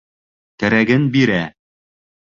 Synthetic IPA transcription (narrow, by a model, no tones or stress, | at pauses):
t̪ɘ̆ɾæɡɘnbiɾæ